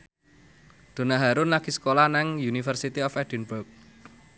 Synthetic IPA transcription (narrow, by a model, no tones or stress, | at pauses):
d̪̥o̤naɦaɾʊnlakisə̥kolanaŋjunifərsit̪iɔfɛd̥ɛnbʊrk̚